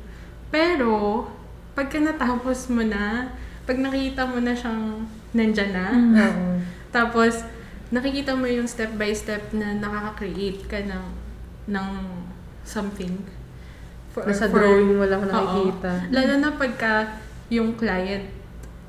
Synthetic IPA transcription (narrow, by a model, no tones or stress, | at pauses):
pɛːɾo̞ | pɐɡ̚kɐnɐt̪aːposmonɐpɐɡ̚nɐkkiːt̪ɐmonɐʃɐŋ | nɐnd͡ʒɐnɐoʔot̪aːpo̞s | nɐkɪkiːt̪ɐmojʊŋst̪ɛp̚bɐjst̪ɛp̚nɐnɐkakɐkɾɪʔejt̪̚kɐnɐŋ | nɐŋ | sɐmθɪŋ | fnɐsɐd̪ɾojɪŋmolɐknɐokɪʔkoiːt̪ɐlaːlonɐpɐɡ̚kɐ | jʊŋklaːjɛnt̪̚